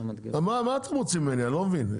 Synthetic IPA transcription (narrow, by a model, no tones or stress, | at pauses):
amamat̪ʰamut͡simɛnialɔmvin